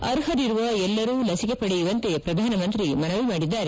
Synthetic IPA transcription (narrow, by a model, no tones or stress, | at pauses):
ɐɾɦɐd̪iɾuʋɐɛlːɐɾuːlɐsike̞pɐɽejiʋɐnt̪e̞pɾɐd̪ʱaːnɐmɐnt̪ɾimɐnɐʋimaːɽid̪ːaːɾe